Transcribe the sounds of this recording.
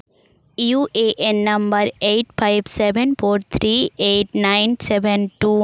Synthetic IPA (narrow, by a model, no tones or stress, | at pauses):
juːʔeːʔɛnːɐmbɐɾeːʈfaɪʋsɛʋɛnfoːɾt̪ʰɾiːeːʈ̚nãɪnsɛʋɛnʈuː